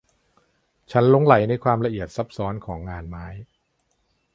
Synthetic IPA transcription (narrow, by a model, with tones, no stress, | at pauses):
t͡ɕʰa˦˥nlo˦˥ŋla˨˩˦jna˧jkʰwaː˧mɾa˧ʔi˨˩ət̪̚sa˦˥p̚sɔː˦˥nkʰɔː˩˦ŋːaː˧nmaː˦˥j